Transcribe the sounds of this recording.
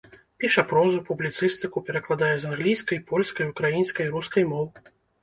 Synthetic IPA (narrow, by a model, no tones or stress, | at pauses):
pʲiʂɐpɾɔzupublʲit̪sɨst̪ɨkupʲɛɾɐklˠad̪ajɛzanɣlʲijskɐjpɔlʲskɐjukɾajinsʲkɐjɾuskɐjmɔw